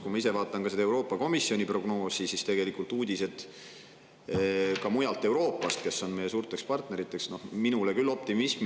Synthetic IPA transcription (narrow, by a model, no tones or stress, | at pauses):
kumɑise̞vɑːt̪ːˑɑnkɑsed̪ɑe̞wɾo̞ːpːˑɑko̞misːio̞nʲipro̞ɡ̥no̞ːsisist̪e̞ɡ̥e̞likult̪uːd̪̥ʲise̞d̪̥ | kɑmujɑlt̪ːe̞wɾo̞ːpːˑɑst̪̚ke̞sːo̞nme̞je̞suːrt̪ˑe̞kspɑrt̪ne̞ɾit̪ːˑe̞ksno̞hminulekylːo̞p̚t̪imism